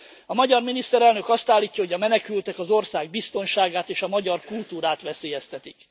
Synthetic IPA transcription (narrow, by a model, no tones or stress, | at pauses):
ɒmɒɟɒrminist̪ɛɾɛlnø̞kɒst̪aːlːiːcːɒɦo̞ɟɒmɛnɛkylt̪ɛkɒzo̞rsaːɡ̚bist̪o̞nʃaːɡaːt̪eːʃɒmɒɟɒrkult̪uːɾaːt̪ʋɛseːjɛst̪ɛt̪ik